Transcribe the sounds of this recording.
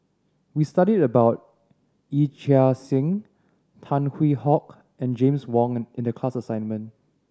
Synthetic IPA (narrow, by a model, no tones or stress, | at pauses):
wistaɾidəbaʊt̚ | it͡ʃasɪ̃ŋ | tʰãnhwihɔk | ɛ̃nd͡ʒẽmswɔ̃ŋɪ̃ndəkʰl̥asəsãɪ̃nmə̃n